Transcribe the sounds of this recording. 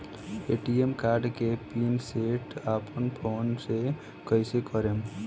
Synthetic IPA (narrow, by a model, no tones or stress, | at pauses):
eʈiemkaɾɖkepinseʈapənpʰoːnse | kəɪsekəɾem